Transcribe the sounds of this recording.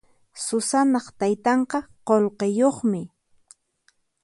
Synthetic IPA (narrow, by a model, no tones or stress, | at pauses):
sʊsanɑχt̪ajt̪ɑɴqɑqolqejoχmɪ